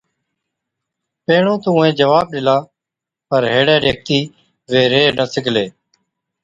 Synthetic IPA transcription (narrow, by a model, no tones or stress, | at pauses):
peːɳõːt̪ũːẽːd͡ʒəʋaːb̚ɗɪlãː | pəɾɦeːɽeːɾek̚t̪iː | ʋeːɾeːnəsɪkleː